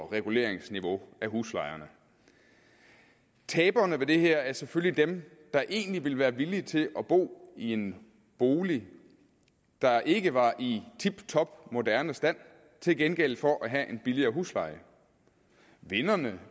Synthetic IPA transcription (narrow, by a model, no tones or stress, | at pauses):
ʁɛɡ̥ule̝̰ːɐ̰eŋsniʋo̝æɦuslɑ̈ɪɐnə | t͡sʰɛːb̥ɐnəʋe̝d̥e̝ɦeɐ̰æɐseføllid̥em | d̥ɑ̈ʔe̝̰ːnliʋe̝lʋæːɐʋilit͡sʰe̝lʔɒ̽b̥o̝̰ːie̝n | b̥o̝ːli | d̥ɑ̈ʔe̝ɡ̥əʋɑ̈ʔit͡sʰib̥t͡sʰɒ̽b̥mo̝d̥æɐnəsd̥æn̰ | t͡sʰe̝lɡ̥enɡ̥el̰fɒ̽ʔæɦæʔe̝nb̥iliɐːɦuslɑ̈ɪ̰ə | ʋe̝nɐnə